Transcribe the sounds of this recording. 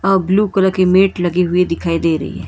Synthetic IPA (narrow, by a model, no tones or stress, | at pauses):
ɔːbluːkɐləkemeːʈlɐɡiɦʊid̪ɪkʰaːid̪eːɾɐ̰ɦḭɦɛ̰ː